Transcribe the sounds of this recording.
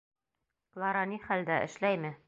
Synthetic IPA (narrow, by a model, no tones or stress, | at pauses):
klˠɑɾɑniχæld̪æʔɘ̰̆ʃlæjmɘ